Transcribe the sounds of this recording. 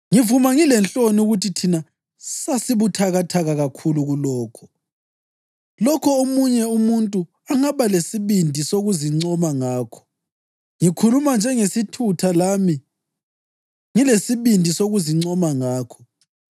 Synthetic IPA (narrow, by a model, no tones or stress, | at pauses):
ŋivumaŋilɛnt͡ɬʼonuɣutʰitʰina | sasiβutʰaɣatʰaɣaɣakʰuluɣulɔːkʰɔ̥ | lɔkʰɔomuɲɛumuntʼu | aŋaβalesiβindʱisoɣuziŋ͡ǀɔmaŋaːkʰɔ̥ | ŋikʰulumand͡ʒʱɛŋesitʰutʰalami | ŋilesiβindʱisoɣuziŋ͡ǀɔmaŋaːkʰɔ̥